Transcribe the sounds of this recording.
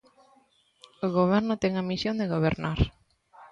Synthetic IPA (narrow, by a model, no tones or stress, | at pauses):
oɣoβ̞ɛɾnʊt̪ɛŋɐmisjond̪eɣoβ̞eɾnaɾ